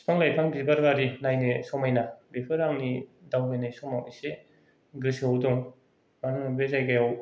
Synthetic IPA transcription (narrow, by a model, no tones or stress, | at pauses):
spʰaŋlajpʰaŋbibaɾɡaɾinajnesɔmajnabepʰɯɾaŋnidawbajnajsɔmawise | ɡɾisiawdɔŋ | maɾnubezajkajaw